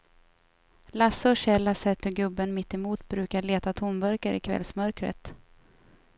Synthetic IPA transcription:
lasːəɕɛlːasɛt̪ːəɾɡɵbːənmɪt̪ːɛmuːt̪bɾʉ̟ːkaɭeːt̪at̪ʰʊmbœɾkəɾɪ̰kʰvɛ̰lsmœɾkɾə̰t̪

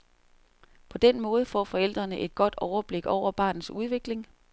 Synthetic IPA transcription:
pʰɒ̽d̥en̰mɔ̽ːð̞ˠfɒ̰ːfɒ̽el̰d̥ʁɐnəʔe̝d̥̚ɡ̥ɒ̽d̥ɒʊɐb̥le̝ɡ̥ɒʊ̰ɐb̥ɑ̈ːnn̩ˠsuð̞ˠʋe̝ɡ̥le̝ŋ

